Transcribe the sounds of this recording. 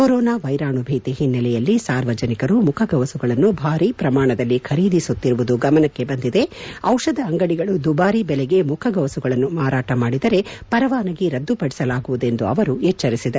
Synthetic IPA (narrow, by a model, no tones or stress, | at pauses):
koɾɔːnaːʋɐjɾaːɳubʱiːt̪iɦinːɐlɛjɐlːisaːɾʋɐd͡ʒɐnikɐɾumukʰɐɡɐʋɐsuɡɐɭɐnːubʱaːɾiːpɾɐmaːɳɐd̪ɐlːikʰɐɾiːd̪isut̪ːiɾuʋud̪uɡɐmɐnɐkːe̞bɐnd̪id̪e̞ɐwʂɐd̪ɐːŋɡɐɽiɡɐɭud̪ubaːɾibɛlɛɡe̞mukʰɐɡɐʋɐsuɡɐɭɐnːumaːɾaːʈɐmaːɽid̪ɐɾe̞pɐɾɐʋaːnɐɡeɾɐd̪ːupɐɽisɐlaːɡuʋud̪e̞nd̪uɐʋɐɾuɛt͡ʃːɐɾisid̪ɐ